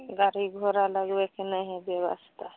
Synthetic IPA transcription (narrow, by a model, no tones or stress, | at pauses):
ɡaɾiɡʱoɾaləɡbekenəɦɛ̃bjewa̰st̪ʰa